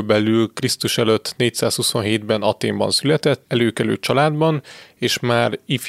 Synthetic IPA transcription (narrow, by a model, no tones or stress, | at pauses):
bɛlylkrist̪uʃɛløt̪ːneːc̚saːshuso̞nɦeːd̪bɛnɒt̪eːmbɒ̰nsylɛt̪ɛt̪ːɛløːkɛly̰ːt͡ʃɒlaːd̪bɒneːʃmaːrif